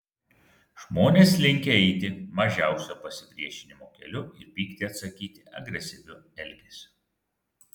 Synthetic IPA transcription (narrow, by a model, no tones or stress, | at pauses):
ʒmoːnʲeːslʲɪŋʲkʲeɛɪt̪ʲɪmɐʒʲæˑʊsʲoːpɐsʲɪpʲɾʲiɛʃʲɪnʲɪmoːkʲɛ̰lʲʊɪɾpʲiːkt̪ʲɪɐt̪sɐkʲiːt̪ʲɪɐ̰ɡɾʲɛsʲɪʋʲʊ | ɛlʲɡʲesʲʊ̥